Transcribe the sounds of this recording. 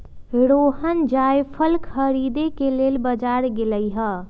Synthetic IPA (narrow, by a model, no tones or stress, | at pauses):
ɾoɦənd͡ʒajpʰəlkʰəɾid̪ekelelbəd͡ʒaɾɡeləjɦə